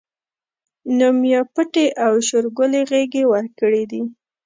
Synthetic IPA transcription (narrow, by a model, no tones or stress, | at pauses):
nʊmjɑpəʈeʔawʃʊɾɡʊleɣeɡewəɾkəɽid̪i